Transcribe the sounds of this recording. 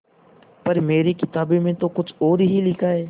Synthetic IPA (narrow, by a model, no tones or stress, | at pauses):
pɐɾmeːɾikɪt̪aːbemẽt̪oːkʊd͡ʒoːɾɦilɪkʰaːeː